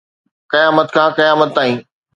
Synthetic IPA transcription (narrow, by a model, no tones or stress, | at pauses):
kɐjaːmət̪kʰãːkɐjaːmət̪̚ːaːɦĩː